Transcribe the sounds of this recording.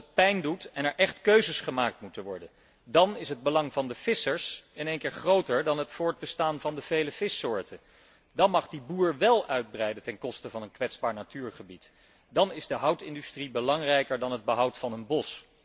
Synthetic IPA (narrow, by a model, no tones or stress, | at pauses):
t̚pɛjndutɛnɛɹʔɛχtkøɥzəsχəmaːk̚tmutənʋɔɹdən | dɑnɪsɦəd̚bəlɑŋvɑndəv̥ɪsəɹsɪnejŋkɪːɹχrowtəɹdɑnɦətfʊːɹd̚bəstaːnvɑndəv̥ejləv̥ɪsʊːɹtʰən | dɑnmɑχdibuːɹʋɛlˠœɥd̚brɛjdətɛnkɔstəvɑnənkʋɛtzbaːɹnatyːɹχəbit | dɑnɪzdəɦʌwtɪ̰ndystribəlɑŋrɛjkəɹdɑnɦəd̚bəɦʌwtfɑnənbɔs